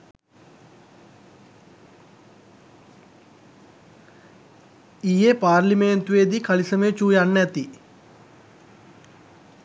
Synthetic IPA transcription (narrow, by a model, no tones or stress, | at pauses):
ijepaːrlimeːnt̪uʋed̪ikɐlisɐmet͡ʃuːjanːɛt̪i